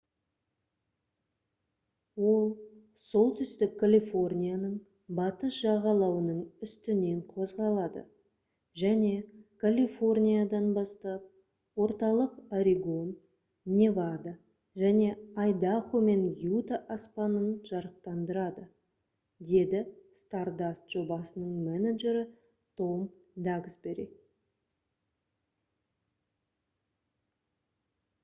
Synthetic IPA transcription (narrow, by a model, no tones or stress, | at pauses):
wo̞lˠ | so̞lˠt̪ʰʏst̪ɪkʰːalʲifo̞rnʲijanəɴ | bɑt̪əsʒɑʁɑlˠɑwənəɴʏst̪ɪne̞ɴqʰo̞zʁɑlˠɑd̪ə̰ | ʒæne̞kʰalʲifo̞rnʲijad̪ɑnbɑst̪ɑp̚ | wo̞ɾt̪ɑlˠəqaɾiɡo̞nː | e̞vad̪a | ʒæne̞ɑjd̪ɑχome̞njut̪aʔɑspɑnənʒɑɾəq̚t̪ɑnd̪əɾɑd̪ə | d̪e̞d̪ɪst̪ɑrd̪ast̪ʒ̥o̞bɑsənəɴmænaʒe̞ɾɪ | t̪ʰo̞md̪ɑɡsbe̞ɾḛk̪̚